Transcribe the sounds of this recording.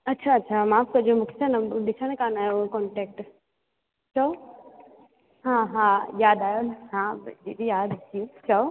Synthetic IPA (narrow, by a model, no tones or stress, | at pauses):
ɐtːʃʰaɐtːʃʰamãːp̚kɐd͡ʒomʊkʰsʰanɐd̪ɪsʰanekaːnaːjokɔɳʈeːk̚ʈ | t͡ʃao | ɦãɦãjaːd̪aːjonɦãd͡ʒit̪ijaːd̪siet͡ʃao